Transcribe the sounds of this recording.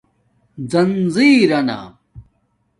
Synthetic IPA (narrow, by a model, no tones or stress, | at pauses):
d͡zɐnziːɾɐna̰